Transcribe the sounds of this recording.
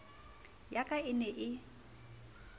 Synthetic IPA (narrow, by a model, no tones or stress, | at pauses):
jakʼaɪnɛʔɪ